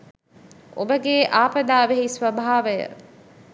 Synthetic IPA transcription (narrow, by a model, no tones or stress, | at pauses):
o̰bəɡeːʔaːpəd̪aːʋeɦisʋəbʱaːʋəjə̰